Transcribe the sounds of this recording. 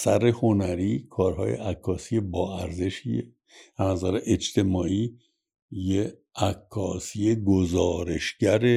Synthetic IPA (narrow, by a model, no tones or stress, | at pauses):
særːeho̞næɾiːkʰɒːɾhɒ̰ːjḛʔækʰːɒːsijebɒːæɾze̞ʃiḛ | ænæzæɾeʔet͡ʃt̪ʰe̞mɒːʔiː | je | ækʰːɒːsijeɡozɒːɾe̞ʃɟæɾe